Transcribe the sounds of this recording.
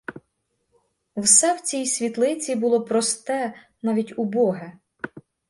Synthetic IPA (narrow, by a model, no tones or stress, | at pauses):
wsɛwt͡sʲijsʲʋʲit̪lˠɪt͡sʲibʊlˠɔpɾɔst̪ɛ | nɑʋʲitʲʊbɔɦɛ